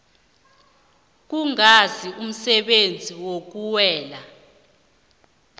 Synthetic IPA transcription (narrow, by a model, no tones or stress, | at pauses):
k̬uŋazium̩sɛɓend͡zʱiwok̬uwɛːla